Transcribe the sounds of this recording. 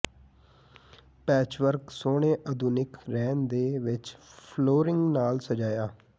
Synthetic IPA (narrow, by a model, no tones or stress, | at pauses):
pɛːt͡ʃʋəɾksoːɽ̃eːʔəd̪uːnɪkɾɛːnd̪eːʋɪt͡ʃpʰloːɾɪŋɡnaːlsəd͡ʒaːjaː